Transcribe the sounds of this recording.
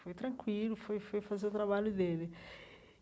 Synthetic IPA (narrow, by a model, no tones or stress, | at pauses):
fojt̪ɾɐ̃ŋkwilʊfojfojfazeʊt̪ɾaβaʎʊd̪elɪ